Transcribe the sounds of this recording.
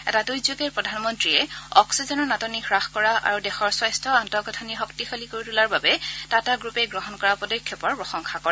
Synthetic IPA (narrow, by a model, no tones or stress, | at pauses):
ɛ̰tadujzoɡɛɹpɹɔdʱanmɔntɹiɛɔ̰ksizɔnɔɹnatɔnixɹaxkɔɹaʔa̰ɹudɛxɔɹswajstʰɔantɔɡɔtʰɔniɦɔktixolikoɹitulaɹbabɛtataɡɹupɛɡɹɔɦɔnkɔɹapɔdɔkʰjɔpɔɹpɹɔxɔŋxʰakɔɹɛ